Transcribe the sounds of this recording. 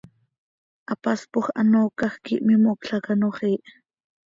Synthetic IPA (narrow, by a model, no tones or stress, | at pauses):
ʔɑpaspoχʔɑ̰noːkɑχkiʔmimokɬɑkanoχiːʔ